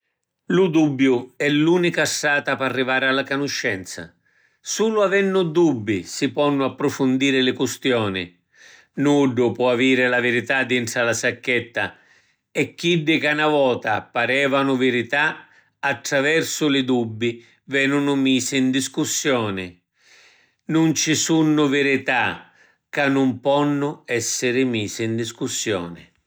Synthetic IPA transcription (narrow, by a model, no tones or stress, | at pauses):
lʊd̪ubːjʊɛlːuːnikasːaːt̪aparːivaːɾɪalːakanʊʃːɛnt̪sa̰ | suːlʊavɛnːʊd̪ubːisipɔnːʊapːɾʊfʊnd̪iːɾɪlɪkust̪jɔːnɪ̰ | nuɖʊpwɔaviːɾɪlavɪɾit̪ad̪ːiɳʈɾalasakːɛt̪ːa | ɛkːiɖːɪkanavɔːt̪a̰paɾɛːvanʊvɪɾit̪a | at̪ːɾavɛrsʊlɪd̪ubːi | vɛnːʊnʊmiːsɪind̪iskusːjɔːnɪ | nʊnt͡ʃɪsunːʊvɪɾɪt̪a | kanːʊmpɔnːʊɛsːɪɾɪmiːsɪːnd̪iskusːjɔːnɪ̰